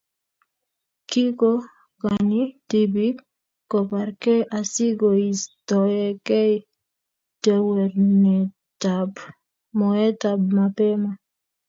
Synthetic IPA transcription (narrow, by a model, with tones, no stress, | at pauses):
ki˦ko˦ | kaniti˦bikː | ɔ˨pa˨ɾkɛ˦ʔa˨si˦ɡo˨i˨stɔ˨jɛ˨kɛ˦i | tɛ˦wɛ˨ɾnɛ˨ | tab | mɔɛ˦tab̚ma˨pɛ˦ma˨